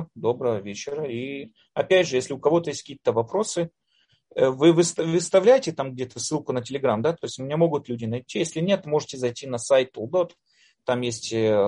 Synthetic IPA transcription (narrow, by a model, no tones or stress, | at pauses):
d̪o̞bɾəvəvʲet͡ɕɪɾəi | ɐpʲædʲʐɨjesʲlʲɪʊkɐvo̞t̪əjesʲt̚ʲkʲiːt̪əvɐpɾo̞sɨ | əvɨvɨst̪vɨst̪ɐvlʲæjɪtʲɪt̪amɡ̚dʲet̪əsːɨlˠkʊnətʲɪlʲɪɡɾamd̪at̪o̞jɪsʲtʲʊmʲɪnʲamo̞ɡʊt̪lʲudʲɪnɐjtʲːijesʲlʲɪnʲe̞t̪mo̞ʐɨtʲɪzɐjtʲinɐsajtt̪ːolˠd̪ot̪ | t̪amjesʲtʲ